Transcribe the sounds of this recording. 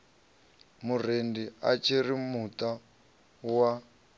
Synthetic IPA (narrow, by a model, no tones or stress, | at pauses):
mur̤endiat͡ʃʰiɾimuta | wa